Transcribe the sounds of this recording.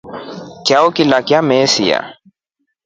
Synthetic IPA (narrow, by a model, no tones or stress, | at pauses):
kjaokilakjamɛsija̰